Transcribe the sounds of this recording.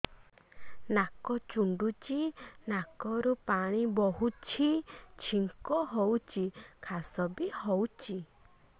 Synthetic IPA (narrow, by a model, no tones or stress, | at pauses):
nakɔt͡ʃuɳɖut͡ʃinakɔɾupaɽ̃ibɔɦut͡ʃʰit͡ʃʰiŋkɔɦowt͡ʃʰikʰasɔbihɔwt͡ʃʰi